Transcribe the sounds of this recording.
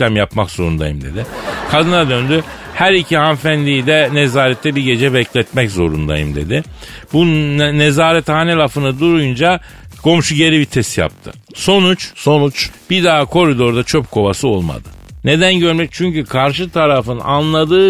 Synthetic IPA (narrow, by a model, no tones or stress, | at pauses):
æmjapmakz̥o̞̰ɾṵnd̪a̰jɯmd̪e̞d̪ɪkʰad̪ɯnad̪ø̞nd̪y | hæɾicʰihanfænlʲijid̪ɛnezaːɾɛt̪ʰːɛbiɟe̞d͡ʒɛbɛclʲɛt̪mɛczo̞ɾṵnd̪a̰jɯ̰md̪e̞̰d̪ɪbunezaːɾɛt̪haːnelafɯnɯd̪uɾujund͡ʒa | ɡ̥ʰo̞mʃuɟe̞ɾibit̪ʰɛst̪ja̰p̚t̪ʰɯ̰ | so̞nut͡ʃso̞nut͡ʃb̥id̪aːkʰo̞ɾid̪o̞ɾd̪at͡ʃʰopkʰo̞vasɯo̞lˠma̰d̪ɯne̞d̪ænɟø̞ɾmɛc̚t͡ʃʰyɲcykʰaɾʃɯt̪ʰaɾafɯna̰nlˠad̪ɯː